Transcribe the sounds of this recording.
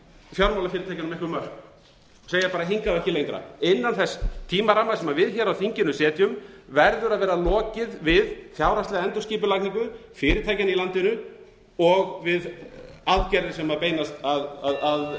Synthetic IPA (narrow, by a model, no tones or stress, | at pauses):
fjawlmawlafɪːɾɪt̪ʰajcanmehkʏmœr̥k | seːjapaːɾaɦiŋkaɛhçcɪlejŋkɾa̰ɪnːanθɛst̪ʰiːmaɾaːmasɛmavɪðçɛːɾawθiɲcɪnʏsɛːt̪jʏmvɛɾðʏɾaðvɛːɾalɔːcɪðvɪðθjawɾast̪ɪðɛnt̪ʏsciːpʏlakniŋkʏfɪːɾɪt̪ʰaːjcanilant̪ɪnʏ | ɔɣvɪðaðcɛɾðɪsɛmaðpeːjnast̪aðaðað